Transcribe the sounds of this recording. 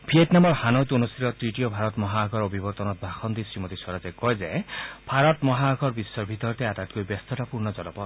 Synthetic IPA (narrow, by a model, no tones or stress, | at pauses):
bʱietnamɔɹhanojt̪onust̪ʰitɔt̪ɾitijɔbʱaɾɔt̪mɔɦaːɡʱɔɾobibɔɾt̪ɔnɔt̪̚bʱaxɔnd̪isɹimot̪isɔɾazekɔjzebʱaɾɔt̪mɔɦaːɡʱɔɾbisːɔɾbʱit̪ɔɾɔt̪eat̪at̚kojbest̪ʰɔtapuɾnɔzɔlɔpɔ